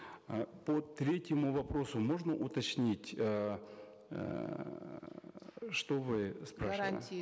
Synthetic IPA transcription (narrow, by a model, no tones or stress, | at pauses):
pot̪ɾʲetʲɪmʊvɐpɾo̞sʊmo̞ʐnəʔʊt̪ɐt͡ɕnʲitʲə̰ | ʂt̪ovɨspɾaʂnə̰